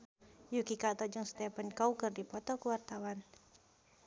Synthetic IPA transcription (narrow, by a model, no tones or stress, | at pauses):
jukikat̪ɔd͡ʒɔŋst̪ɛpankaukɨrdipɔt̪ɔkuwart̪awan